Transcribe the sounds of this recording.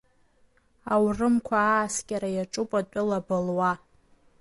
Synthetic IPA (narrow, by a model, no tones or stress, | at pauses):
awrɨmkʷʰaːskʲʼaɾajaʈ͡ʂʼupʼatʷʼʊlabɨlwa